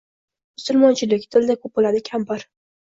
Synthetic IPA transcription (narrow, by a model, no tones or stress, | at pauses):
mʊsʊlˠmɒnt͡ʃʰɪlɪkʲt̪ʰɪld̪akʰɵp̚bolad̪ɪkʲʰambɪɾ